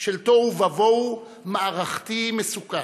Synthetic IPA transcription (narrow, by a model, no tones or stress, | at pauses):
ʃelt̪ovavow | maːʁaχt̪imesuka